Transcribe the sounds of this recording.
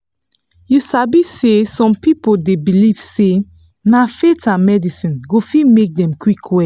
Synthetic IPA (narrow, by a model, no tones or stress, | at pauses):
jusabisesɔ̃mpipodebiliv̥se | nafetʰãnmɛdisĩnɡofimek̚dɛ̃mkwikʰwɛ